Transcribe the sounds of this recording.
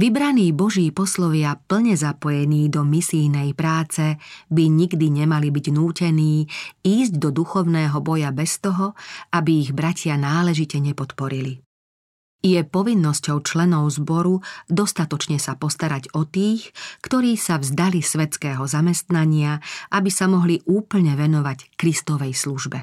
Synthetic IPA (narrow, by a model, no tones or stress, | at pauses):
ʋibɾaniːbɔʒiːpɔslɔʋɪapl̩ɲɛzapɔjɛniːd̪ɔmisijnɛjpɾaːt͡sɛbiɲiɡd̪iɲɛmalibiɟnuːcɛniːiːzɟd̪ɔd̪uxɔʊnɛːɦɔbɔjabɛst̪ɔɦɔabiːɣbɾacɪanaːlɛʒicɛɲɛpɔt̪pɔɾili | jɛpɔʋinːɔscɔʊt͡ʃlɛnɔʊzbɔɾud̪ɔst̪at̪ɔt͡ʃɲɛsapɔst̪aɾaɟɔt̪iːxkt̪ɔɾiːsavzd̪alisʋɛt̪t͡skɛːɦɔzamɛst̪naɲɪaʔabisamɔɦliʔuːpl̩ɲɛʋɛnɔʋackɾist̪ɔʋɛjsluʒbɛ